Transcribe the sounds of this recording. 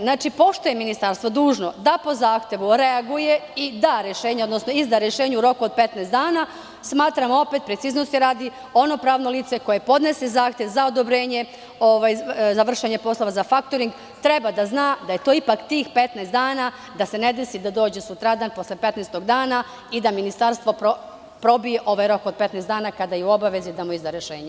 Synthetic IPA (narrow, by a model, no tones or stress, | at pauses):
znaːt͡ʃipo̞ʃt̪ujeminist̪aɾst̪ʋod̪uːʒno̞d̪apo̞zaːxt̪ʲje̞ʋuɾe̞aɡuje̞id̪aɾjeʃeːɲeod̪nosno̞izd̪aɾjeʃe̞ːɲeuɾo̞kuo̞d̪̚pe̞t̪nest̪d̪aːna | smaːt̪ɾamo̞pe̞t̪̚pɾet̪siznost̪jiɾaːd̪i | o̞no̞pɾaːʋno̞liːt̪se̞ko̞je̞po̞d̪ne̞sezaːxt̪jeʋzao̞d̪o̞bɾe̞ːɲe̞ | oʋajzaʋr̩ʃeɲe̞po̞slˠo̞ʋazafak̚t̪oɾiŋɡ | t̪ɾe̞bad̪aznaːd̪aje̞t̪o̞ːipakt̪iːxpe̞t̪nasd̪aːna | d̪ase̞ne̞d̪esid̪ad̪o̞ːd͡ʑesut̪ɾad̪aːnpo̞slʲepe̞t̪nest̪o̞ɡd̪aːna | id̪aminist̪aɾst̪ʋo̞po | pɾo̞bije̞ʔo̞ʋajɾo̞kod̪̚pe̞t̪nesd̪aːnakad̪ajeuo̞baʋe̞zid̪amuizd̪aɾjeʃḛːɲe